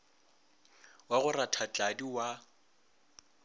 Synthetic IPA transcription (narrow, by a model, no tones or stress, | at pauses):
waɣʊratʰat͡ɬʼadiwa